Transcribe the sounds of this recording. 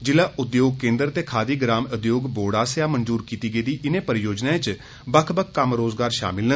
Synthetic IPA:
d͡ʒɪlaːʔʊd̪joːɡ̚kẽːnd̪əɾt̪eːkʰaːd̪iːɡɾaːmʊd̪joːɡboːɽaːsɪjaːmənzuːɾkiːt̪iːɡeːd̪iːʔɪnẽːpəɾɪjoːd͡ʒnãːẽt͡ʃ | bəkʰbəkːəmɾoːzɡaːɾʃa̰ːmɪlnə

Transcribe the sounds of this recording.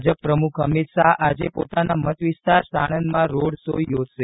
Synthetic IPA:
d͡ʒəpːɾəmukʰəmit̪ʃaɦad͡ʒepo̰t̪anamət̪ʋist̪aɾsaɽ̃ənmãɾoɽso̰jod͡ʒʃe

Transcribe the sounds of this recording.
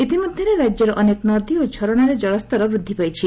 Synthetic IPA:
it̪imɔd̪ʱjʌɾeɾad͡ʒjɔɾɔʔɔneknɔd̪iot͡ʃʰɔɾɔɽ̃aɾed͡ʒɔɭɔst̪ɔɾɔbɾud̪ʱːipajt͡ʃʰi

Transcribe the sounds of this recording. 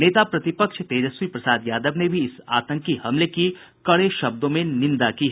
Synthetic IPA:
neːt̪apɾɐt̪ɪpəkʃt̪eːd͡ʒəswipɾɐsaːd̪jaːd̪əbnebʱiɪsa̰ːt̪ə̃ŋkihɐmleki | kɐɽeʃɐb̚d̪õmẽnɪ̃nd̪akiɦɛ

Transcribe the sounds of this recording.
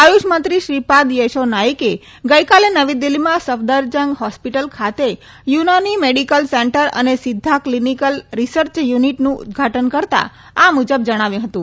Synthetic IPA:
ajuʃmənt̪ɾiʃɾipad̪jeʃonaike | ɡəikalenəʋid̪ilːimãsəfd̪əɾd͡ʒəŋɡɦɔspiʈəlkʰat̪e | junanimeɽikəlseɳʈəɾə̰nesɪd̪ʱːaklinikəlɾisəɾt͡ʃjuniʈnũʊ̰d̪̚ɡʱaʈənkəɾt̪a̰ | amud͡ʒəb̚d͡ʒəɽ̃aʋjũɦət̪ũ

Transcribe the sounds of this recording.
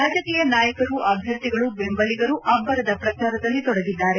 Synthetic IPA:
ɾaːd͡ʒɐkiːjɐnaːjɐkɐɾuʔɐbʱjɐɾt̪iɡɐɭubembɐliɡɐɾuʔɐbːɐɾɐd̪ɐpɾɐt͡ʃaːɾɐd̪ɐlːit̪ɔɽɐɡid̪ːaːɾe̞

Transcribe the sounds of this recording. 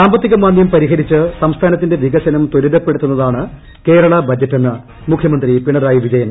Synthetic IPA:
saːmbɐt̪ːiɣɐmaːnjɐmpɐɾiɦɐɾit͡ɕːɨsɐmst̪ʰaːnɐt̪̬ːinde̞ʋiɡɐsɐnɐmt̪oɾuðɐpːe̞ɽut̪ːunːɐðaːɳɨ | ke̞ːɾɐɭɐbɐd͡ʑːɐtːenːɨ | mukʰjɐmɐnd̪ripiɳɐɾaːjiʋid͡ʑɐjɐm

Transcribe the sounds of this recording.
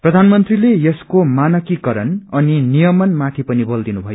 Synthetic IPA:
prʌd̪ʱanmʌnt̪rilejeskomanʌkikʌɾʌnʌninijʌmʌnmat̪ʰipʌnibʌld̪inubʱʌjo

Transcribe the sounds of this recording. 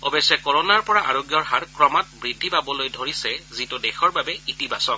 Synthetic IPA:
ɔbesɛkɔɹɔnaɹpɔɹaʔa̰ɹoɡjɔɹɦaɹkɹɔmat̚bɹidʱːibabɔlojdʱoɹisɛzitʊdɛxɔɹbabɛitibʱasɔn

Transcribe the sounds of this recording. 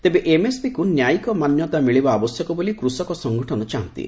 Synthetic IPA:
t̪ebeʔemesbikunjajikɔmanjɔt̪amiɭibaːbɔsjɔkɔbolikɾusɔkɔsɔŋɡʱɔʈʰɔnɔt͡ʃaɦɔnt̪ḭ

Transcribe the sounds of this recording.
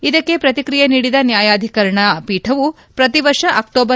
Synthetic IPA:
id̪ɐkːe̞pɾɐt̪ikɾijeniːɽid̪ɐnjaːjaːd̪ʱikɐɾɐɳɐpiːʈʰɐʋu | pɾɐt̪iʋɐɾʂɐʔɐk̚ʈoːbɐ

